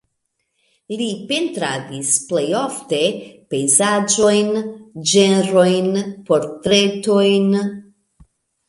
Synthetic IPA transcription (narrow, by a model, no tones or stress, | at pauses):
lipe̞ntɾadisple̞jo̞fte̞pe̞jzad͡ʒo̞jnd͡ʒe̞nɾo̞jnpo̞ɾtɾe̞to̞jn